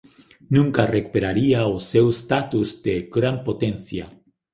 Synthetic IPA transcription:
nũŋkarekupeɾaɾiaosewest̪at̪uzd̪eɡɾampot̪enθja̰

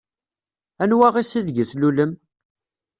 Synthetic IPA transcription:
ænwæʁisiðʝəθluləm

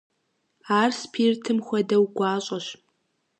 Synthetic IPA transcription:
aːrspʰiːrtʰɨmxʷɐdɐwɡʷaːɕʼɐɕ

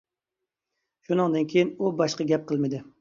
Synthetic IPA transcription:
ʃunɨŋd̪ɨnkʲʰejinubɑʃqɑɡʲɛp̚qʰəlˠmɪd̪ɪ

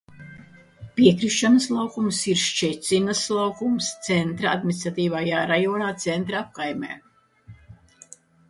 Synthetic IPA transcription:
pʲiɛkɾiʃːanɐslˠawkumsiɾʃt͡ʃɛt̪sʲinaslˠawkumst̪sɛnt̪ɾaa̰d̪̚mʲinist̪ɾat̪iːvajaːɾajoːnaːt̪sɛnt̪ɾaap̚kajmʲɛ̰ː

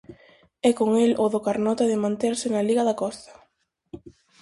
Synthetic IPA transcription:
ɛkoŋelʔoðokaɾnɔt̪aðɪmãnt̪eɾsɪnaliɣɐðakɔst̪ɐ̥

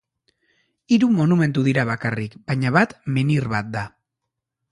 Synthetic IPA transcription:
iɾumo̞nume̞nt̪uðiɾaβakarikbaɲaβat̪meniɾβat̪̚d̪a

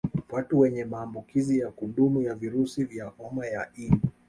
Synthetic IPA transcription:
watuwɛɲɛmaːmbukizijakuɗumujaviɾusivjaʔɔmajain

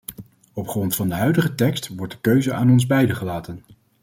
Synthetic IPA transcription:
ɔpχrɔntfɑndəɦœɥdəχətɛkstʋɔɹt̚dəkøɥzəaːnɔnzbɛjdəχəlaːtən

